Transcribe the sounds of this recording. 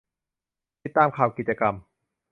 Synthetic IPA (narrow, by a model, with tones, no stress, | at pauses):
i˨˩t̪ːaː˧mkʰaː˨˩wki˨˩t̪̚t͡ɕa˧ka˧m